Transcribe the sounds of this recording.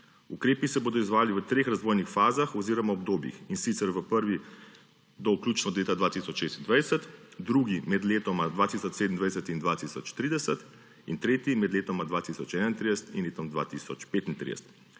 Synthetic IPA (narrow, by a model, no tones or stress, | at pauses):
ukɾeːpisɛboːd̪ɔizʋaːliʋət̪ɾeːxɾazʋoːjnixfaːzaxɔziːɾɔmaɔbd̪oːbjḭxinsit̪sɛɾʋəpəɾʋi | d̪ɔuklʲuːt͡ʃnɔd̪leːt̪ad̪ʋaːt̪isɔt͡ʃʃeːst̪ind̪ʋajsət̪d̪ɾuɡimɛd̪leːt̪ɔmad̪ʋaːt̪isɔt͡ʃsed̪nd̪ʋaj̪ɛsət̪ind̪ʋaːt̪isɔt͡ʃt̪ɾiːd̪ɛsət̪ | int̪ɾeːt̪imɛd̪leːt̪omad̪ʋaːt̪isɔt͡ʃɛːnaint̪ɾid̪ɛsə̥t̪inleːt̪ɔmd̪ʋa̰ːt̪isɔt͡ʃpeːt̪int̪ɾḭd̪ɛ̰st̪